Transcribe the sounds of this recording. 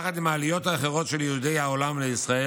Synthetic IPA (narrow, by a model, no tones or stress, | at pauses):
χat̪imaːlijo̞t̪aːχeʁo̞t̪ʃe̞ljeud̪e̞jhaolamleisʁae